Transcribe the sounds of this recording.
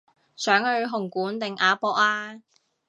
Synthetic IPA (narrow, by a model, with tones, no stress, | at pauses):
sœː˨˥ŋhɵ˨˧ɥɦʊ˨˩ŋkuː˨˥nt̪ɪ˨ŋʔaː˨˧pɔː˧k̚laː˧